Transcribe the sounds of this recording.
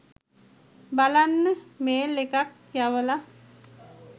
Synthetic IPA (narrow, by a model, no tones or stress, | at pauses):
balanːəmeːlekak | jaʋəla